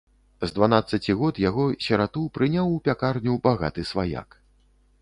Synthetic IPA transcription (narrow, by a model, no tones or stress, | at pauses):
zd̪vanat̪sːɐt͡sʲiɣɔt̪jaɣɔsʲɐɾat̪upɾɨnʲawupʲakarnʲubaɣa̰t̪ɨsvaja̰k